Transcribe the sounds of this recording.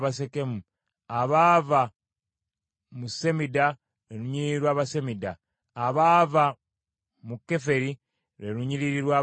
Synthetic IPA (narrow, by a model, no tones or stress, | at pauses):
βas̬e̞ke̞mu | aβaːva | muse̞mida | ɾeɾuɲiɾiiɾwaːβase̞midaː | βaːva | mukːe̞fe̞ɾi | ɾeɾuɲiɾiɾiɾwaː